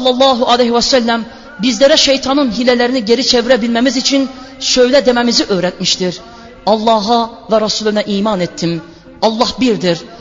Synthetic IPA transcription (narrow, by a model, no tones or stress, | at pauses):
lˠːɑlˠːɑːɦuʔɑlehwæsælːæm | bizlæɾæʃejt̪ʰɑnɯnɦilælæɾiniɟeɾit͡ʃʰeviɾæbilmæmizit͡ʃʰin | ʃøjlɛd̪emæmiziʔøjɾæt̪̚miʃt̪iɾ | ɑlˠːɑːɦɑvæɾɑsulˠunɛʔiːmɑnet̪ʰːim | ɑlˠːɑhbiɾd̪iɾ